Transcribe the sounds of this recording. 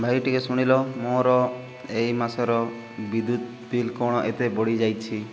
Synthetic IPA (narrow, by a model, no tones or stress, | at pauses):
bʱajʈikesuɽ̃ilɔmõɾɔ | ejmasɔɾɔ | bid̪ut̪ | bilkɔɽ̃ɔʔet̪ebɔɽid͡ʒajt͡ʃʰi